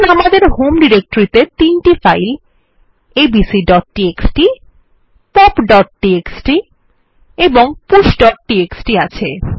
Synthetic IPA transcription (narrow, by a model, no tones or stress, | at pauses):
namad̪eɾhomɖiɾek̚ʈoɾit̪et̪inʈifajl | ebisiɖɔʈʈieksʈi | pɔpɖɔʈ̚ʈieksʈi | eboŋpuʃɖɔʈ̚ʈieksʈiat͡ɕʰe